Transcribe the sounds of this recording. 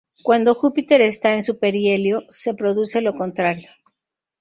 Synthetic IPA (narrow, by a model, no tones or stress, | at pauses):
kwand̪o̞xupit̪e̞ɾe̞st̪aensupe̞ɾje̞ljo̞se̞pɾo̞ðuse̞lo̞ko̞nt̪ɾaɾjo̞